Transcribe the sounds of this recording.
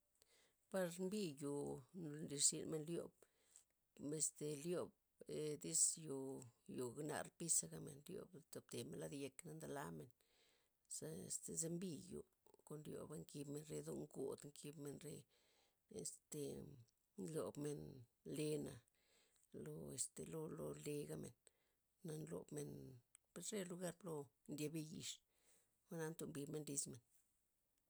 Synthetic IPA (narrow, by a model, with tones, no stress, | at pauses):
pa˧ɾmbi˦ju˨nli˧ɾsi˧nme˧nljo̰˨b | me˧st̪e˨ljo˨b̚ | e˧d̪i˦sjo˨jo˨ɡna̰˧ɾpi˦sa˧ɡa˧mḛ˨nljo̰˧bt̪o˨b̚t̪e˨me˨nla˦d̪je˧kna˦nd̪a˧la˦me˨n | sa˧˨st̪e˧ze˦mbi˦˧jṵ˨ | ko˧nljo̰˨ba˦ŋki˧bme˧nɾe˧d̪o̰˧ŋɡṵ˨d̪ŋkʰi˧bme˧nɾḛ˧ | ḛ˨st̪e˨ | nlo˨bme˧nle˧na̰˨ | lo˧e˨st̪e˨lo˧lo˧le˧ɡa˧mḛ˨nː | a˧nlo̰˨bme˧npe˧sɾe˦lu˧ɡa˦˧ɾlo˧ | nd̪ʲje˧be˧ji˧ʂ | ma˦na˧nt̪o˧mbi˧bme˧nɾi˧sme˨n